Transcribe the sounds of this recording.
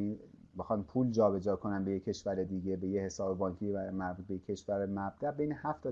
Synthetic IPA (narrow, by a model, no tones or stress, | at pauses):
ibexɒːnpʰuːld͡ʒɒːbe̞d͡ʒɒːkʰo̞nænbe̞jekcʰːe̞ʃvæɾe̞d̪iːɡe̞be̞jehe̞sɒːbebɒːŋcʰiæmæɾbud̪̚beekʰːe̞ʃvæɾemæb̚d̪æʔbejnehæft̪ɒ